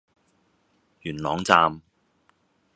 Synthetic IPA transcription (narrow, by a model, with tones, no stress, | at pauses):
jyː˨˩nlɔː˨˥ŋt͡saː˧m